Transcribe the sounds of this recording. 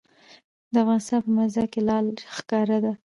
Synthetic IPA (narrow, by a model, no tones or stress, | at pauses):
d̪əafɣɑnɪst̪ɑnpəmazakelɑlxkɑɾad̪a